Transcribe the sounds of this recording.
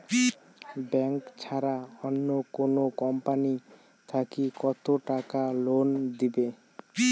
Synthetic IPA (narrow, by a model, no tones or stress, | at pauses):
bɛŋkt͡ɕʰaɾaɔnːokonokɔmpani | t̪ʰakikɔt̪oʈakalond̪ibe